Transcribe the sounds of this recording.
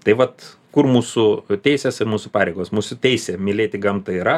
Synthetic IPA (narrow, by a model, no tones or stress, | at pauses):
t̪ɐɪʋɐt̪ | kʊrmuːsʊt̪ʲɛɪsʲeːsɪrmuːsʊpɑːɾʲɛɪɡoːsmuːsʊt̪ʲɛɪsʲeːmʲɪlʲeːt̪ʲɪɡɐmt̪ɐiɾɐ